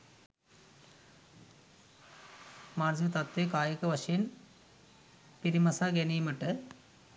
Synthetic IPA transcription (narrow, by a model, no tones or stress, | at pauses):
maːrd͡ʑit̪ɐt̪ːekaːjɐkːɨʋɐʂin | piɾimɐsaɡenijmɐʈːɨ